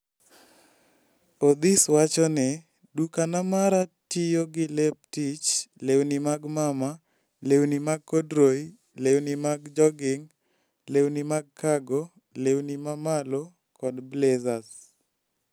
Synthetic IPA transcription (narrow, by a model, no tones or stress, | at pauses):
od̪ɪswat͡ʃɔnɛ | dukanamaɾatijoɡɪlep̚tit͡ʃlewnimaɡmama | lewnimaɡ̚kɔdɾoi | lewnimaɡd͡ʒɔɡɪŋ | lewnimaɡ̚kaɡo | lewnimamalo | kɔdblezas